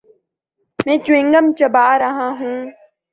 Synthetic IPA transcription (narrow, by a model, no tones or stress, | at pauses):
mẽːt͡ʃʊɪ̃ŋɡəmt͡ʃəbaːɾəɦãːɦũː